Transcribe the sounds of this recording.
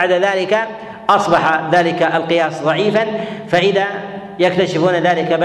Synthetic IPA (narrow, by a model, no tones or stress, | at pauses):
ʕd̪aðaːlɪka | ʔɑsˤbɑħaðaːlɪkaʔalqɨjaːsˤðˤɑʕiːfanfaʔɪða | jakt̪aʃɪfuːnaðaːlɪkab